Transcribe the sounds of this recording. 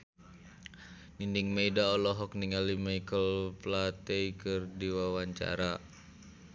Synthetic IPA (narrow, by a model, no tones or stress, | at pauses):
nindiŋmeidaɔlɔɦɔk̚niŋalimaikəlplat̪ɛikɨrdiwawaɲt͡ʃa̰ɾa